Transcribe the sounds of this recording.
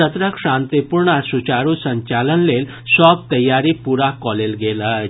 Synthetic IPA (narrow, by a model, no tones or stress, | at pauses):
ət̪ɾəkʂãnt̪ipuɾɳasut͡ɕaɾusəɲt͡ɕalənlel | sɔb̚t̪əjːaɾipuɾakɔlelɡelə